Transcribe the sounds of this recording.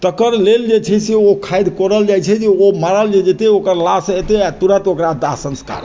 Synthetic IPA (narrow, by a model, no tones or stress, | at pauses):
ʈ̪əkəɾleld͡ʒet͡ʃʰɛseokʰajd̪koɾəld͡ʒajt͡ʃʰɛd͡ʒeomaɾəld͡ʒed͡ʒet̪eokəɾlaset̪eat̪uɾət̪okɾad̪asə̃nska̰ɾ